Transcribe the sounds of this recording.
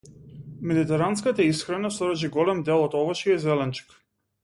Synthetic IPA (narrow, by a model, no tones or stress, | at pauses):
mɛd̪it̪ɛɾanskat̪aisxɾanasɔɾat͡ʃiɡɔlɛmd̪ɛlˠɔt̪ɔvɔʃiɛzɛlɛnt͡ʃi̥k